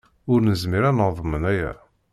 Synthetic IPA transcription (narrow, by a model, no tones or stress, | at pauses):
ʊɾnəzmiɾænəðˤmənæjæ̰